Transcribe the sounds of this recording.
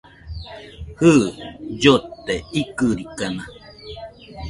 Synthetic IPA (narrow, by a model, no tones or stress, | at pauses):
hɨd͡ʒot̪eikɨɾikana